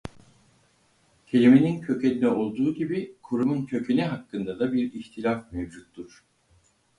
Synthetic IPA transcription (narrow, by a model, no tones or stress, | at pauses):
cʰe̞lʲimenincʰø̞cʰenʲd̪ɛo̞lˠd̪uːɟibikʰuɾumuncʰø̞cʰeniɦakːɯnd̪ad̪abiɾiçt̪ʰilʲafmevd͡ʒut̪ːuɾ̥